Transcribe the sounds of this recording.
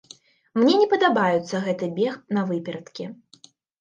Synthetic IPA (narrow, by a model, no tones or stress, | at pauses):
mnʲɛnʲɛpɐd̪abajut̪sːɐɣɛt̪ɨbʲɛxnɐvɨpʲɛɾɐt̪kʲi